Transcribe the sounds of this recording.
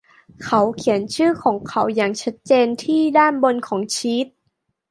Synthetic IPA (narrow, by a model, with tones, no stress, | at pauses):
kʰa˦˥wkʰi˩˦ənt͡ɕʰɯː˥˩kʰɔː˩˦ŋkʰa˨˦˥wjaː˨˩ŋt͡ɕʰa˦˥t̪̚t͡ɕeː˧nt̪ʰiː˥˩daː˥˩nbo˧nkʰɔː˩˦ŋt͡ɕʰi˦˥t̪̚